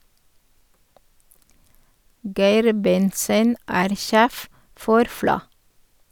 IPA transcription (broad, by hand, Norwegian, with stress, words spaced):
ˈɡæɪɾ ˈbɛntsən ˈæːɾ ˈʃeːf ˈfɔɾ ˈflɑ